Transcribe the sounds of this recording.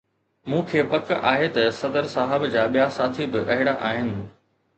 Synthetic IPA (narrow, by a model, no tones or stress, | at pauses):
mũːkʰeːpɐkaːɦet̪ɐsɐd̪əɾsaːɦɪbd͡ʑaːɓijasaːt̪ʰibɪʔɐɦɪɽaʔaːɦɪnɪ̆